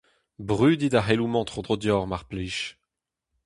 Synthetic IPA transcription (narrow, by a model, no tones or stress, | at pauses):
bʁyːd̪id̪aɦelumɑ̃t̪χod̪ʁod̪jɔʁmaʁpliːʃ